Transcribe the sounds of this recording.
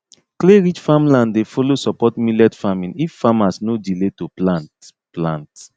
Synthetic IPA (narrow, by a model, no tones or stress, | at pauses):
kleɹid͡ʒfamlãndefolosɔpɔtmilɛdfamĩniffamasnodiletoplãnt | plãnt